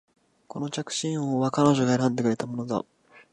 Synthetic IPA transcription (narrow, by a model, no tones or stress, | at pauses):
ko̞no̞t͡ɕakɯ̟̥ɕĩɰ̃oβakano̞ʑo̞ɡaeɾãnd̪e̞kɯ̟ɾet̪amo̞no̞za̰